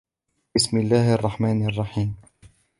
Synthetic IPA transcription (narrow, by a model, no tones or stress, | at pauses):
bɪsmɪlːaːhʔɑrˤːɑħmaːnɑrˤːɑħiːm